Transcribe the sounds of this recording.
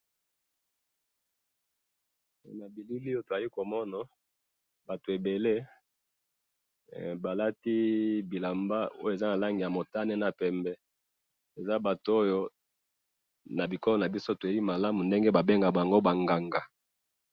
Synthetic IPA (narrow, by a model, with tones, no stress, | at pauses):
na˨bi˨lu˦li˦o˦to˨a˨li˦ko˨mɔ˦na˨ | ba˨to˨e˨be˨le˦ | ba˨la˦ti˦bi˨la˨mba˦o̰˦je˨za˦na˨la˦ŋɡi˨ja˨mo˨ta˦ne˦na˨pɛ˨mbɛ˦ | e˨za˦ba˨to˨o˦jo˦ | na˨bi˨kɔ˦lɔ˦na˨bi˦so˦to˨e˦bi˦ma˨la˦mu˨nde˦ŋɡe˦ba˨be˦ŋɡa˨ba˨ŋɡo˦ba˨ŋɡa˨ŋɡa˨